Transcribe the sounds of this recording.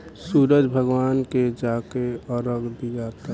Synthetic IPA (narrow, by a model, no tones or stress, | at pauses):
suːɾəd͡ʒbʱəɡwaːnked͡ʒakeɔɾəɡd̪iɡaːt̪a